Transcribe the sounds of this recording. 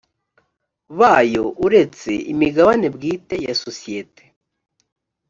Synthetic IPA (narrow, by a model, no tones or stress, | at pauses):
βajo̞uɾe̞t͡se̞̰imiɡaβane̞bɡiːte̞jasosijete̥